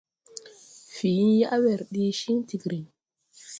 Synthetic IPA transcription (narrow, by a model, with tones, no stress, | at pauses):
fi˨˦ja˦ʔwɛ˨ɾɗi˦ʃi˦ŋti˨kɾi˨ŋ